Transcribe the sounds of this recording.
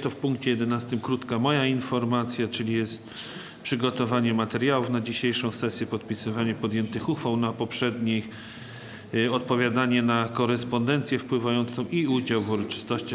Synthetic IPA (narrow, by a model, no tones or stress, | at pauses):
t̪ɔfpuŋkt͡ɕɛjɛd̪ɛnast̪ɘmkɾut̪kamɔjainfɔɾmat̪sʲjat͡ʂɘlʲijɛst̪ | pʂɘɡɔt̪ɔvaɲɛmat̪ɛɾjawufnad͡ʑiɕejʂɔ̃w̃sɛsʲjɛpɔt̪̚pʲisɘvaɲɛpɔd̪jɛnt̪ɘxuxfawnapɔpʂɛd̪ɲi | ɔt̪pɔvʲjad̪aɲɛnakɔɾɛspɔnd̪ɛnt̪sʲjɛfpwɘvajɔnt̪sɔ̃w̃ʔiud͡ʑawvuɾɔt͡ʂɘ̥st̪ɔɕt͡ɕa